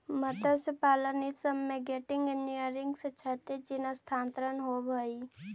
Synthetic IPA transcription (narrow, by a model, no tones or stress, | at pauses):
mət̪əsepaːlənisəmːẽɡeːʈɪ̃ŋɡenijəɾɪŋɡset͡ʃʰət̪ed͡ʒɪnəst̪ʰaːnt̪ɾənɦobʱəi